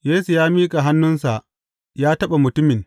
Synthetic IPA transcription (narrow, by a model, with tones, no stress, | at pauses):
jeː˦su˨jaː˦miː˦kʼa˨ɦa˦nːʊ˦nsa˨ʔ | jaː˦tɐ˦ɓa˨mʊ˨tʊ˦mɪ˨n